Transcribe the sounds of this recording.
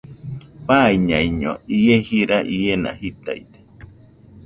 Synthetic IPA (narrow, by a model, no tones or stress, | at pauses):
paiɲaiɲoijehiɾaʔiena̰hit̪a̰jt̪e̥